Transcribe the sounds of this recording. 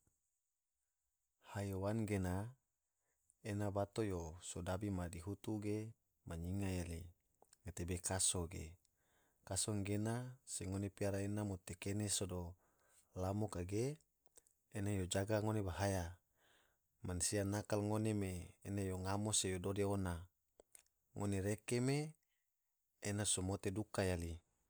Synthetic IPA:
hajowanɡena | enabat̪ojosodabimadiɦut̪uɡe | maɲiŋajali | ŋat̪ebekasoɡḛ | kasoŋɡenaseŋonepiaɾaenamot̪ekenesodo | lamokaɡeː | najod͡ʒaɡaŋonebaɦaja | mansianakalŋonemeːnajoŋamosejododeona | ŋʔoneɾekeme | nasomot̪edukajali

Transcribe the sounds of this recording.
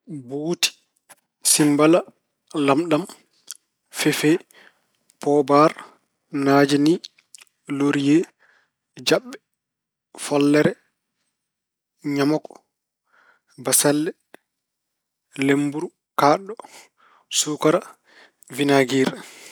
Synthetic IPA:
buːti̥ | simbala | lamɗam | fɛfɛ | pɔbaɾ | naːd͡ʒini | loɾijɛ | d͡ʒaɓːɛ | fɔlːɛɾɛ | ɲamɔkɔ̥ | basalːɛ | lembuɾu | kaːɗɔ | suːkaɾa | vinaɡiːɾɛ

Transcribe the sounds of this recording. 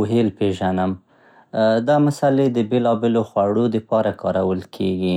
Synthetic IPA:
ɦelpeʒanəm | d̪ɑmasaled̪əbelɑbeloxwaɽod̪əpɑɾakɑɾawəlkʰeɡi

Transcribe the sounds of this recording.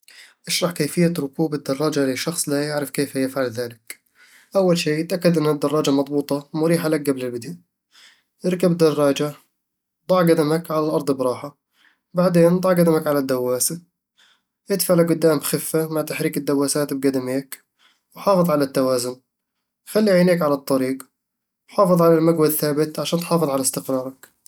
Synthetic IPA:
ʔaʃɾˤɑħkeːfɪjːaɾʊkuːbɪd̪ːɑrˤːɑːd͡ʒaliʃɑxsˤlajɪʕɾɪfkeːfhajɪfʕalðaːlɪk | ʔawːalʃeːt̪ʔakːad̪ʔɪnːɪd̪ːɑrˤːɑːd͡ʒamɑd̪ˤbuːt̪ˤɑmʊɾiːħalak̚ɡablɪlbɪd̪a | ʔɪɾkabd̪ɑrˤːɑːd͡ʒa | d̪ˤɑʕɡad̪amakʕalalʔɑɾˤd̪ˤbɾˤɑːħa | baʕd̪eːnd̪ˤɑʕɡad̪amakʕalad̪ːawːaːsa | ʔɪd̪faʕlaɡʊd̪ːaːmxɪfːamaʕt̪aħɾiːkɪd̪ːawːaːsaːt̪b̚ɡad̪ameːk | wħɑːfɨðˤʕalat̪ːawaːzʊn | xalːiʕiːneːkʕalɑt̪ˤːɑɾiːq | wħɑːfɨðˤʕalalmaɡwad̪θaːbɪt̪ʕaʃaːnt̪ħɑːfɨðˤʕalast̪ɪqɾˤɑːɾˤɑk

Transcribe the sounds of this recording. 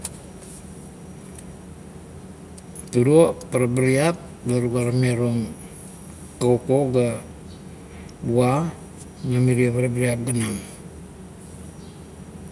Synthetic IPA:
tuɾopaɾabaɾiap̚laɾuɡaɾameɾoŋ | kaokoɡa | bua | namiɾiopaɾabaɾiap̚ɡanaŋ

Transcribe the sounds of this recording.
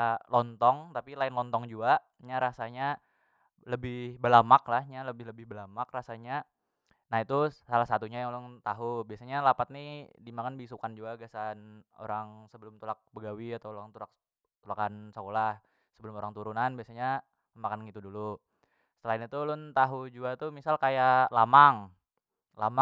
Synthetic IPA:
lɔnt̪ɔŋt̪apilaɪnlɔnt̪ɔŋd͡ʒuaʔ | ɲaɾasaɲa | ləbɪhbəlamaklahɲaləbɪɦləbɪhbəlamakrasaɲa | nait̪usalahsat̪uɲajaŋlʊnt̪aɦubiasaɲalapat̪̚nidimakanbisukand͡ʒuɡaɡasano̰ɾaŋsəbəlʊmt̪ulak̚bəɡawiat̪awoɾaŋt̪ulak̚ | t̪ulakansakolah | səbəlʊmoɾaŋt̪uɾunanbiasaɲa | əmakanŋɡit̪udulu | səəlainit̪ulʊnt̪aɦud͡ʒuat̪umisalkajalamaŋ | lama

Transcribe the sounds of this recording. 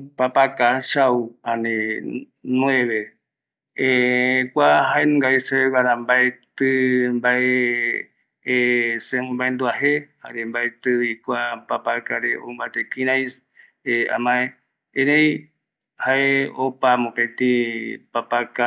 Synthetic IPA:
papakaʃauãne | nũeβe | ekʷaɦaenũŋɡaiseeβaɾambaet̪ɨmbae | seũmbaend̪uaheha̰ɾembaet̪ɨβikʷapapakaɾeombat̪ekĩɾajs | ea̰mãẽ | ẽɾẽj | haeopamõket̪ipapaka

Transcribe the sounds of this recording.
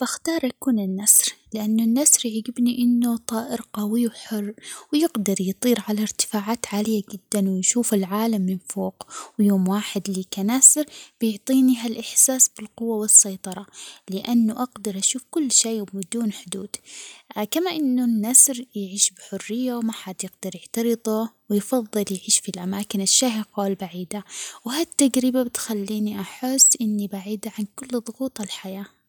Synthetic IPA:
b̥axt̪ɑːɾˤʔakuːnɪnːasɾlɪʔanːʊnːasɾʕiɡɪbniʔɪnːut̪ˤɑːʔɪɾqawiwħʊrːwjɪɡd̪ɑɾˤjt̪ˤiːɾʕalaɾt̪ɪ̥faːʕaːt̪ʕaːlɪjːad͡ʒɪd̪ːanwɪnʃuːfɪlʕaːlamːɪnfoːqwjoːmwaːħɪd̪liːkanasɪɾb̥ɪjɪʕt̪ˤiːniɦalʔɪħsaːsbɪlqʊwːawɪsːɑjt̪ˤɑɾˤɑlɪʔanːʊʔaɡd̪ɑɾˤʔaʃuːfkʊlːʃeːwmɪd̪uːnħʊd̪uːd̪̥kamaʔɪnːʊnːasɾjʕiːʃbɪħʊrːɪjːawmaħad̪jɪɡd̪ɑɾjɪʕt̪ɑɾɨðˤuwɪjfɑðˤːɨljʕiːʃfilʔamaːkɪnɪʃːaːɦɪqaːlbaʕiːd̪awɪɦat̪ːaɡɾɪbabɪt̪xalːiːniʔaħɪsːʔɪnːibaʕiːd̪aʕankʊlːðˤʊɣuːt̪ˤɪlħajaː

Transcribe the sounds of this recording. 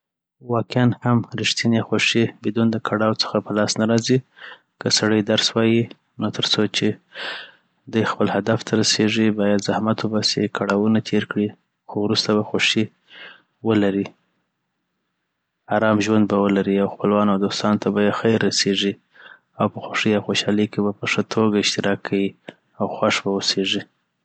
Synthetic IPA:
wɑkjɑnhamɾɪʃt̪inexoʂibɪd̪und̪əkʰaɽɑwt͡sə̥xapəlɑsnaɾɑzi | kəsaɽəjd̪aɾswɑji | not̪ʰəɾt͡sot͡ʃe | d̪ujxpəlhad̪aft̪ʰaɾaseʐibɑjad̪zahmat̪ʰubɑsekʰaɽɑwunat̪ʰeɾkɽi | xowɾust̪aβaxoʂi | wəlaɾi | aɾɑmʒwand̪̚bawəlaɾiawxpəlwɑnawd̪ost̪ɑnot̪ʰabajexajɾːaseʐi | awpəxoʂiawxoʃɑləjkebapəʂət̪ʰoɡaɪʃt̪ɪɾʔɑkʰːawi | awxwaʂbawəseʐi

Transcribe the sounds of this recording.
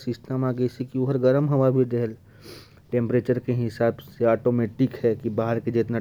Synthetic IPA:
sɪsʈəmaːɡesikioɦəɾɡɐɾəmɦɐmaːɾbʱid̪ɛɦəl | ʈẽːmpɾeːt͡ʃəɾkeɦɪsaːbseaːʈoːmeʈɪkɦɛkibaːɦəɾked͡ʒet̪na

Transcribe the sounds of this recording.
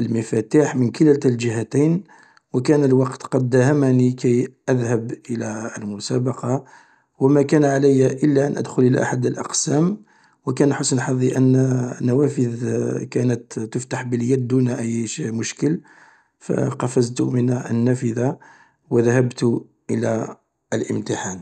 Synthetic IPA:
ʔəlməfæt̪iħmənkəlælt̪əlʒəɦæt̪ijn | wəkænəlwɑqt̪qɑd̪ːæhæmnikæjʔæðhəbʔəlæəlmʊsæbɑqɑ | wəmækænʕaləjʔəlːæʔənʔə̰d̪xʊlʔəla̰ʔa̰ħad̪əlʔɑ̰qsæm | wəkænʔħʊsnħɑðˤiʔənːnːæwæfəðkænət̪ːəft̪aħbəljæd̪ːunʔəjːʃimʊʃkəl | fæ̰qɑfəzt̪umənʔə̰nːæfəða | wəðæhæbt̪ | ʔəlæ | əlʔə̰mt̪əħan

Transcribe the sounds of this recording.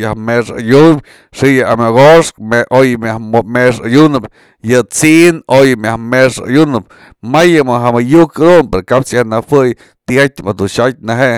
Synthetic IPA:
jahmeʂa̰jum | ʂijɨamoɡoʂkmeʔojmʲahmeʂajunɨp | jɨt͡siʔnojɨmjahmeʂa̰junɨp̚ | majɨmɨɦamajukɨd̪unpeɾokapt͡sjahnahɨj | t̪iatʲmad̪uʃat̚ʲnaɦeʔ

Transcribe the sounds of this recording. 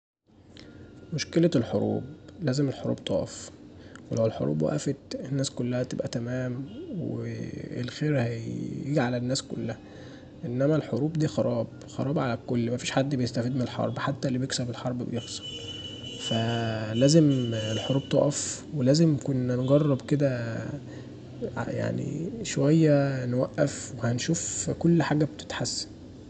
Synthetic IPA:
moʃkelælħoɾˤṵːblæːzemelħoɾṵːb̚t̪ˤo̰ʔɑ̰fwelæwelħo̰ɾʔṵːbwæ̰ʔæ̰fet̪enːæːskolːæhæt̪ebʔæt̪æmæːmwḛḛlxeːɾhæjeɡʕalenːæːsko̰lːæhæ | ʔenːæmælħoɾuːbd̪iːxɑɾˤɑːb | xɑ̰ɾˤɑːbʕalækolːmæfiːʃħad̪ːbejest̪æfiːd̪menelħɑ̰ɾˤbħat̪ːælːibjeksæbelħɑɾˤbbejexsˤɑ̥l | fælæːzemelħoɾuːb̚t̪o̰ʔæf | welæːzemkonːnɡɑrˤːɑbked̪æ | ja̰ʕnḭʃowæjːænwæʔːæfwehænʃuːfkolːħaːɡæbt̪e̥t̪ħasːæ̥

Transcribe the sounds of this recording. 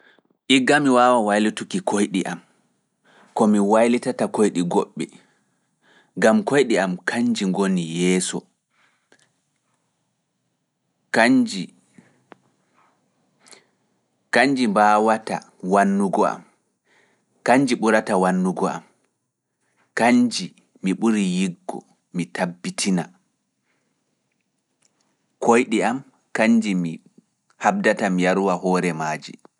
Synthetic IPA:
ʔiɡːamiwaːwawajlitukikojɗiʔam | kɔmiwajlitatakojɗiɡɔɓːɛ | ɡamkojɗiamkʰaɲd͡ʒiŋɡonijɛːsɔ | kd͡ʒ | kaɲd͡ʒimbawata̰ | wanːuɡɔa̰m | kaɲd͡ʒiɓuɾatawanːuɡɔa̰m | kaɲd͡ʒi | miɓuɾijiɡːɔ̰ | mitʰabːitʰina | kʰojɗiam | kaɲd͡ʒimi | hab̚datamijaɾuwahɔːɾɛmaːd͡ʒḭ

